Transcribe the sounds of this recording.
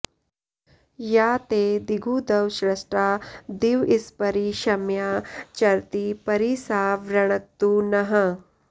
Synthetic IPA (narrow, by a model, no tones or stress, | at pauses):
jaːt̪eːd̪iɡʱuːd̪ɐʋʃɾɐsʈɾaːd̪iʋispɐɾiʃɐmjaːt͡ʃɐɾt̪ipɐɾisaːʋɾɐɳ̃ɐt̪ːunɐɦɐ